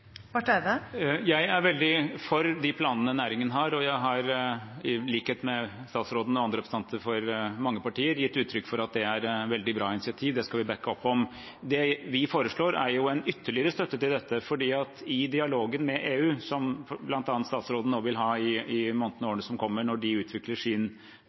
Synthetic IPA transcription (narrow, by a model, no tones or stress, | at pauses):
pɑʈɛd̪əjæɪæɾʋɛld̪ɪfɔɾd̪ɪpʰlɑːnənənæːɾɪŋənəɦɑɾɔjæɪɦɑɾ | liːkheːt̪mɛst̪ɑːt̪sɾoːd̪nəɔɑnd̪ɾɛpɾst̪ɑnt̪ʰəɾfɔɾmɑŋːəpɑʈiːəɾjɪt̪ːʉːt̪ʰːɾʏkːfɔɾɑt̪̚d̪ɛæɾʋɛld̪ɪbɾɑːɪnɪsɪɑt̪ʰiːʋd̪ɛskɑlʋɪbɛkːəɔpːɔm | d̪ɛʋɪfoːɾəʂɭoːɾæɾjʊɛnʏt̪ʰːəɭɪəɾəst̪œt̪ːət̪ɪld̪ɛt̪ːəfɔɖiːɑt̪ɪd̪ɪɑloːɡənmɛʔeːʉːsɔmblɑnt̪ɑnt̪st̪ɑːt̪sɾoːd̪noːʋɪlɦɑːɪɪmɔnt̪n̩oːɳəsɔmkʰɔmːəɳɔɖɪʉːt̪ʰʋɪkləʂiːn